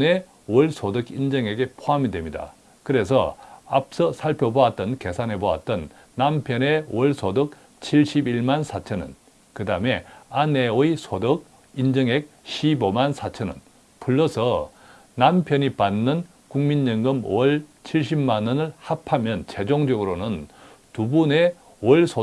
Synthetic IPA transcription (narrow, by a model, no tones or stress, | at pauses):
ne̞ | wʌɭsʰodɯkind͡ʑʌŋe̞ɡe̞pʰoɦamidwe̞mɲida̰ | kɯɾe̞s̬ʰʌ̰ap̚s͈ʌsʰaɭpʰjoboat̚t͈ʌnke̞sʰanɦe̞boa̰t̚t͈ʌnː | ampʰjʌne̞wʌɭsʰodɯk̚ | t͡ɕʰiɭɕ͈ibiɭmansʰat͡ɕʰʌnɯ̰n | kɯdaɯme̞ane̞ɯisʰodɯk̚ | ind͡ʑɯŋe̞k̚ɕibomansʰat͡ɕʰʌnɯ̰n | pʰuɭːʌsʰʌ | nampʰjʌɲipanːɯn | kuŋmiɲːɯŋɡɯmwʌɭt͡ɕʰiɭɕ̬͈ibmanʌnɯɭhapʰamjʌnt͡ɕe̞d͡ʑoŋd͡ʑʌɡɯɾonɯn | tubune̞ | wʌɭsʰo